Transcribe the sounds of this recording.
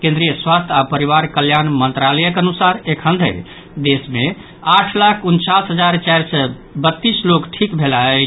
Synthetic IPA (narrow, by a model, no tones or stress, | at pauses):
kẽnd̪ɾijəswast̪ʰapəɾiβaɾkəljanmənt̪ɾalɛjəkənusaɾekʰənd̪ʱə̰ | d̪esme | aʈʰlakʰunt͡ʃasɦəd͡ʒaɾt͡ʃajɾsɛ | bət̪ːislokʈʰikbʱelaɛ